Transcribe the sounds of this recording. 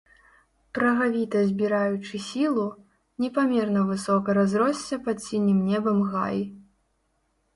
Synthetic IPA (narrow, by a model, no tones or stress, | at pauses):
pɾɐɣavʲit̪ɐzʲbʲiɾajut͡ʂɨsʲilˠu | nʲɛpamʲɛrnɐvɨsɔkɐɾazɾɔsʲt͡sʲːɐpat̪sʲinʲɨmnʲɛbɐmɣa̰j